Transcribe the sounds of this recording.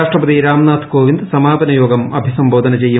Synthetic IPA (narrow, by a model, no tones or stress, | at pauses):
aːʂʈrɐpɐd̪iɾaːmnaːt̪ʰkoːʋind̪sɐmaːbɐnɐjoːɡɐmɐbʱisɐmbo̞ːd̪ɐnɐt͡ɕe̞jːu